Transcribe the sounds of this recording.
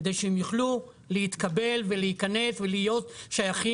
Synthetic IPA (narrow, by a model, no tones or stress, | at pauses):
d̪ejʃeemjuχlu | lehit̪kabe̞lveleikane̞svelijo̞t̪ʃajaχi